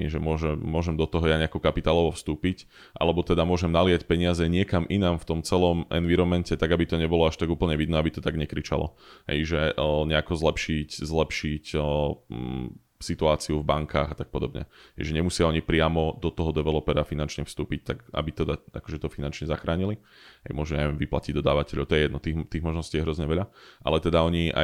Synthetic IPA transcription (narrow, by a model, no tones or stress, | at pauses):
ʒɛmʊɔʒɛmːʊɔʒɛmd̪ɔt̪ɔɦɔjaɲɛakɔkapit̪aːlɔʋɔfst̪uːpic | ʔa̰lɛbɔt̪ɛd̪amʊɔʒɛmnalɪacpɛɲɪazɛɲɪɛkamʔinamft̪ɔmt͡sɛlɔmʔɛ̰nʋiɾɔmɛncɛt̪aɡabit̪ɔɲɛbɔlɔaʃt̪aɡuːpl̩ɲɛʋid̪nɛːabit̪ɔt̪aɡɲɛkɾit͡ʃa̰lɔ̰ɦɛ̰jʒɛɲɛakɔzlɛpʃiczlɛpʃic | sit̪uaːt͡siuvbaŋkʰaːɣat̪ak̚pɔd̪ɔbɲɛ̰ɛɪʒɛɲɛmusɪaɔɲipɾɪamɔd̪ɔt̪ɔɦɔd̪ɛʋɛlɔpɛɾafinant͡ʃɲɛfst̪uːpic̚t̪aɡa̰bit̪ɛd̪aa̰kɔʒɛt̪ɔfinant͡ʃɲɛzaxɾaːɲili | ɦɛjmʊɔʒnɛɲajʋɛmʋiplaciɟd̪ɔd̪aːʋacɛʎɔʊt̪ɔjɛjɛd̪nɔt̪it̪iːɣmɔʒnɔsciːɛɦɾɔzɲɛʋɛʎaʔa̰lɛt̪ɛd̪aɔɲiʔa̰